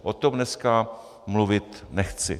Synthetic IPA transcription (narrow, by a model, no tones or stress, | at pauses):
ʔot̪omnɛska | mluvɪt̪nɛxt͡sɪ̰